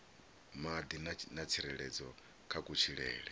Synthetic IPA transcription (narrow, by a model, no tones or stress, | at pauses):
mad̪innat͡sʰiɾɛɺɛd͡zɔ | kʰakʼut͡ʃʰiɺɛ̰ːɺɛ